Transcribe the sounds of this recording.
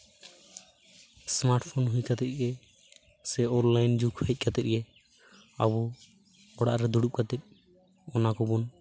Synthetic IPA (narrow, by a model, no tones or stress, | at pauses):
smaɾʈpʰɔnɦujkat̪ɛt̪̚ˀɡɛ | sɛɔnlajnd͡ʒukʰɔɛc̪̚ˀkat̪ɛt̪̚ˀɡɛ | a̰bɔ | ɔɽa̰ʔɾɛd̪uɽup̚kat̪ɛt̪̚ | ɔnakɔbɔn